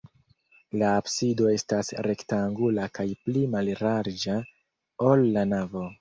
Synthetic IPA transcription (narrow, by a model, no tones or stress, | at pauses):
laːpsido̞e̞stasɾe̞ktaŋɡulakajplimalɾaɾd͡ʒa | olːanavo̞